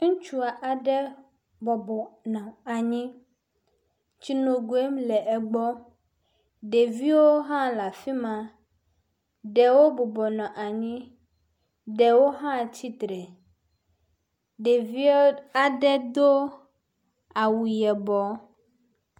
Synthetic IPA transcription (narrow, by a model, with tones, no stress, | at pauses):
ŋ̩̃˦t͡ʃu˦a˨ʔa˨ɖɛ˦ | bɔ˨bɔ˨nã˨a˨ɲĩ˦ | t͡ɕi˦no˨ɡu˨e˦m˦lɛ˨ʔɛ˨ɡ͡bɔ˦ | ɖe˨vi˦wo˦ɦã˦la˨fi˦mã˨ | ɖɛ˨wo˦bɔ˨bɔ˨nã˨ʔa˨ɲĩ˦ | ɖɛ˨wo˦ɦã˦t͡ɕi˦t̪ɾɛ˨ | ɖe˨vi˦a˨ɖɛ˦d̪o˦ | a˨wu˨jɛ˨bɔ˨˦